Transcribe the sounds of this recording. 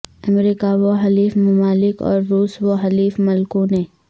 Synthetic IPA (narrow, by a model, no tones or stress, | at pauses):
əmɾiːkaʋoɦɐliːfmʊmaːlɪkɔ̰ːɾːuːsʋoɦɐliːfmɐlkõnẽː